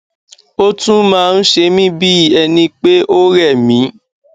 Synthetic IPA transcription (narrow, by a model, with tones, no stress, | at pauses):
o˦tũ˦mãː˦˧n̩˦ʃe˧mĩ˦bi˦˨ɛ˧nĩ˧k͡pe˦ʔo˦ɾɛ˦˨mĩ˨˦